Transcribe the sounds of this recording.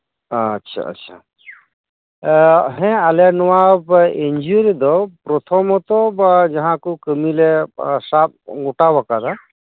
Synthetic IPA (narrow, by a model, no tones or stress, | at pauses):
tːʃʰa̰ə̰tːʃʰa̰ | ɦɛ̃alɛnɔwabeɲd͡ʒuɾid̪ɔpɾɔt̪ʰɔmɔt̪ɔd͡ʒaɦãkukəmilesap̚ɡuʈawakad̪a